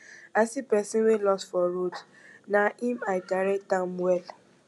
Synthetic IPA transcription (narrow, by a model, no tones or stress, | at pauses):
asipɛsĩnwelɔstfɔɾod | naĩmaɪkaɾɛtãmwɛl